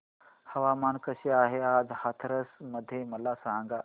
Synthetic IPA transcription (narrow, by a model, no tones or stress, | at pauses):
hɐʋaːmaːnkɐsiaːɦeaːd͡zhat̪ʰɾɐsmɐd̪ʱjemɐlaːsãŋɡa